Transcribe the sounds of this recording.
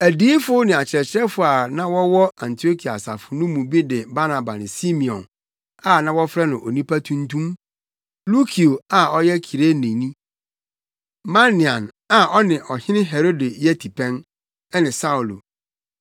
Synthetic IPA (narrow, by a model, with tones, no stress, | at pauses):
æ˨diː˦fʊ˦nɪ̃˨a˨t͡ɕʰɪ˨ɛ˨t͡ɕʰɾɛ˦fʊ˦˨a˨nã˦wɔ˦wɔ˦ã˨ntʰi˨o˦kʰi˨a̰˨sa̰˨fʊ˨nʊ̃˦mũ˨bi˦dɪ˨ba˦nã˨ba˨nɪ̃˨si˦mĩ˨ɔ̰̃˨n | a˨nã˦wɔ˦fɾɛ˦nʊ̃˨ʔo˨nĩ˦pʰa˦tʰũ˦n˦tʰũ˦m | lu˦kʰi˨o˨a˨ɔ˦jɛ˦kʰi˨ɾe˦nĩ˨nĩ˦ | ma˦nɪ̃˨ã˨n | a˨ʔɔ˦nɪ̃˨ʔɔ˨hɪ̃˦nɪ̃˦ɦɛ˨ɾo˦de˨jɛ˦tʰi˨pʰɛ̃˦n | ɛ˦nɪ̃˨sa˦u˨lo̰˨